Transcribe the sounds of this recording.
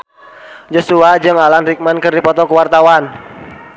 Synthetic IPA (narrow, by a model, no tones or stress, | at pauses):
d͡ʒɔsuad͡ʒɨŋalanrik̚mankərdipɔt̪ɔkəwart̪awan